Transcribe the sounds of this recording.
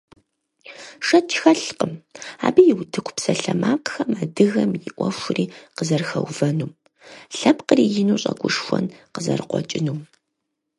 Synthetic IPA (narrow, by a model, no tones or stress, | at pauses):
ʂɐt͡ʃʰxɐɬqəmaːbijɪwdʰɨkʷʰʼpsɐɬɐmaːqxɐmaːdɨɣɐmjɪʔʷɔfʷʊriːqəzɐrxɐwvɐnuːm | ɬɐpqəriːjɪnuːɕʼɐɡʷʼʊʂxʷɔnqəzɐ̰rqʷɔ̰t͡ʃʼɪnuːm